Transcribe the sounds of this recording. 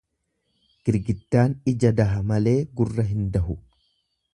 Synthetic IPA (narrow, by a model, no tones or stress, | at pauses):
ɡ̥ɪɾɡɪt̪ːaːnɪd͡ʒɐd̪ɐɦɐmɐle̞ːɡʊrːɐɦɪnd̪ɐɦʊ